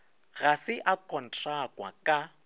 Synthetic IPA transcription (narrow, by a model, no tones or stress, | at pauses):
ɣasɪʔakʼɔn̩tʰʼakʼwa̰kʼa